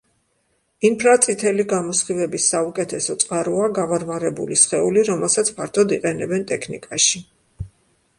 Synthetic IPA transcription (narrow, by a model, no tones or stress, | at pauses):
impʰɾat̪sʼit̪ʰɛliɡamɔsχivɛbisːaukʼɛt̪ʰɛsɔt̪sʼqʼaɾuaɡavaɾvaɾɛbṵlisχɛuliɾɔmɛlˠsat̪sʰpʰaɾt̪ʰɔd̪iqʼɛnɛbɛnt̪ʼɛkʰnḭkʼaʃi